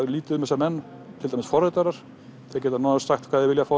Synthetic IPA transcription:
liːt̪ʏðʏmɛs̬aɾmɛnː | t̪ʰɪlt̪ajmɪ̥sfɔɾɛt̪aɾaɾ̥ | θɪac̬ɛːt̪anaːnasaxt̪kʰvaːðɪvɪljafa

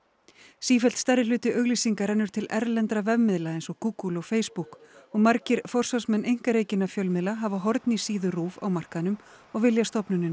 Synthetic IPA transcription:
siːfɛl̥t̪st̪aɾːɪlʏːt̪ɪʔœɣlisiŋkaɾɛnːʏɾ̥t̪ʰɪlʔɛɾlɛnt̪ɾavɛvmɪðlaejnsɔkuːkulɔɣfeːjspukɔɣmaɾcɪɾfɔr̥sasmɛnʔejŋ̥kaɾeːjcɪnːafjœlmɪðlaɦavaɦɔɾt̪nisiːðʏruːva̰wmar̥kanʏm | ɔɣvɪljast̪ɔpnʏnːɪn

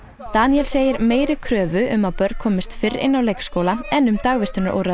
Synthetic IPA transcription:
t̪aniɛlseːjɪɾmeːjɾɪkʰɾœːvʏʔʏmaðpœɾ̚kʰɔːmɪst̪fɪɾɪ̰nːawleːjkskowlaɛnʏmt̪aɣvɪst̪ʏnaɾʔo̰wɾa

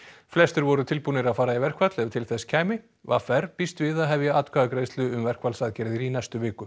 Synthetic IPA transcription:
flɛst̪ɪɾvɔɾʏt̪ʰɪlpunɪɾaðfaːɾaivɛr̥kvat̪lɛvt̪ʰɪlθɛscʰajmɪ | vafɛɾpist̪vɪðaɦɛvjɛaːt̪kʰaːðkɾeːjst̪lʏʏmvɛr̥kvalsaðcɛɾðɪɾinɛjst̪ʏvɪːkʏ

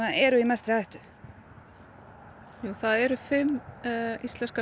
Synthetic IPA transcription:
aɛɾʏimɛst̪ɾɪajht̪ʏ̥ | juːθaðɛɾʏfɪmː | ist̪lɛnska

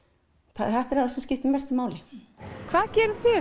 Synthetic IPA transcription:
θaθɛht̪aɾaðsɛmscɪft̪ɪmɛst̪ɪmaːwlɪ | kʰv̥aːðcɛːɾʏfɪ

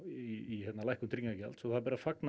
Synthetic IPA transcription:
iihɛt̪nalajhkʏmt̪ʰɾiŋkacɛ̰lt̪sɔθaðpɛɾafakna

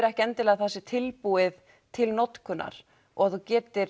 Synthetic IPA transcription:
ɾɛhcɛnt̪ɪlɛaɣθasːɪt̪ʰɪlpuːɪð | t̪ʰɪlnɔt̪kʰʏnːa̰ɾ̥ | ɔɣaθucɛːt̪ɪɾ

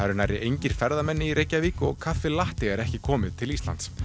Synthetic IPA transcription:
aɾnajɾɪʔejɲcɪɾ̥fɛɾðamɛnːɪiɾʔeːjcːaviːkʏɔɣkʰat̪fvɪlaht̪ɪɛɾɛhcɪkʰɔːmɪðt̪ʰɪlist̪la̰nt̪s

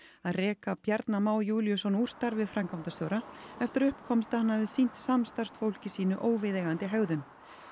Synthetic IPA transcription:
aðrɛːkapjɛɾt̪namaːwjuːlijʏsɔnur̥st̪aɾvɪðfɾamkawnt̪ast̪jowɾaɛft̪ɪɾʏhpkʰɔmst̪ahanːavɪðsin̥t̪samst̪ar̥st̪fowl̥cɪsiːnʏʔoːwvɪðeːɣant̪ɪɦœɣðʏn

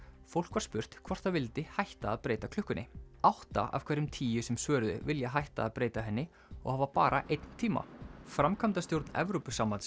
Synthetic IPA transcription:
fowl̥kvaɾ̥spʏr̥t̪kʰvɔr̥t̪ʰavɪlt̪ɪhajht̪aːðpɾeːjt̪akʰlʏhkʏnɪawht̪a̰a̰v̥kʰvɛɾʏmt̪ʰiːjʏsɛmsvœːɾðʏ̰vɪljaɦajht̪a̰ːðpɾeːjt̪aɦɛnːɪ | ɔ̰ɣhaːvapaːɾʔaʔejt̪n̥t̪ʰiːma̰fɾamkʰamt̪ast̪jowɾt̪nɛ̰vɾowpʏsaːman

